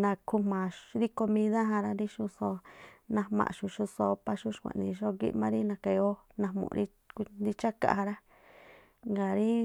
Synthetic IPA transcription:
nã˧kʰu˧mã˨ɾi˦ko˧mĩ˧ða˦ɦã˧ɾa˧ɾi˦ʃu˧so˧nã˧mã̰˨ʃu˧ʃu˧so˧pa˧ʃu˦ʃkʷã̰˨˧˨nḭ̃˧ʃo˦ɡḭ˦ʔmã˧ɾi˦nã˧ka˧jo˦ | nã˧mṵ̃˧˨˧ɾi˦ | knd̪i˧t͡ʃa˦ka̰˧˨ha˧ɾa˦ | ŋɡa˨ɾi˦

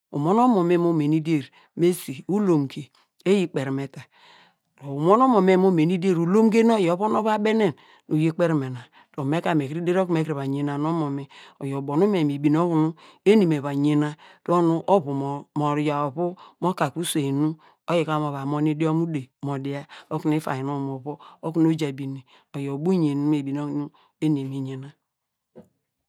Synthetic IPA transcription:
ṵ˨mo˦n˦o˦mo˨me˦mo˦me˨ni˦de˦˨ɾ | me˦si˨u˦lo˨mɡe˨ | e˦ji˦k͡pe˨ɾme˨ta˨ | do˨u˨mo˦no˦mo˨me˦m˦o˦me˨ni˦de˦ɾu˨lo˦mɡe˦n˦o˦jo˦βo˦no˦βa˦be˦ne˦˨n | u˨je˦k͡pe˦ɾme˨na˨ | d̥o˨me˦ka˨me˨kɾi˦de˦ɾo˦ku˦me˦ki˨βa˨ɲe˨na˨no˦mo˨me˨o˨jo˨bo˨nu˦me˨mi˨bi˨n˦o˦βu˨nu˦e˦ni˨me˨βa˨ɲe˨na˦d̥nu˦ʔo˦βu˨m˨mo˨ɾja˨o˨βu˦mo˦ka˨ku˦se˨i˨nu˦ | o˦ji˨ka˦mo˨βa˨mo˦ni˦di˦o˦mu˦de˨mo˨di˨a˦o˦ku˨ni˦fa̰˨ji˨no˦mo˨βo˦o˦ku˦no˦d͡ʒa˨bi˨ni˨ | o˨jo˨bu˦ɲe˨n˦me˨bi˨n˦o˦˨nu˦ | e˦ne˨mi˨ɲe˨na˦

